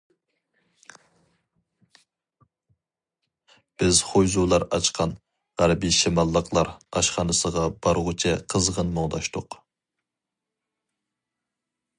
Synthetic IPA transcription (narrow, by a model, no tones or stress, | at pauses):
b̥ɪzχojzulˠɑɾɑ̰t͡ʃqʰɑn | ʁæɾbiʃimɑlˠːəqʰlˠɑɾɑʃχɑnɨsəʁɑbɑɾʁʊt͡ʃʰɛqʰəzʁənmoʁd̪ɑʃt̪ʰʊq